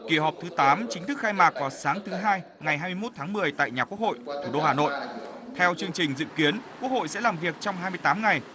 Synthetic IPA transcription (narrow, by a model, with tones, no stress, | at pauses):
ki˨˧˩ɦɔː˨˩p̚t̪ʰɨ˨˦t̪aː˨˦mt͡ɕï˨˦ŋ̟t̪ɨ˦˥k̚xaː˧jmaː˨˩k̚vaː˨˩saː˨˦ŋt̪ʰɨ˨˦ɦaː˧j | ŋa˨˩jhɦaː˧jmɨ˧jmo˦˥t̚t̪ʰaː˨˦ŋmɨ˨˩əjt̪a̰ː˧˨jɲaː˨˩ku˦˥ək̚ho̰˧˨jt̪ʰu˧˩ɗo˧haː˨˩no̰˧˨j | t̪ʰɛ˧wt͡ɕɨ˧əŋt͡ɕï˨˩ŋ̟zɨ̰˧˨ki˨˦ənku˧˦˥k̚ho̰˧˨jsɛ̰˧˥laː˨˩mvi˨˩ək̚t͡ɕɔ˧wŋ͡mɦaː˧jmɨ˧əjt̪aː˨˦mŋa˨˩j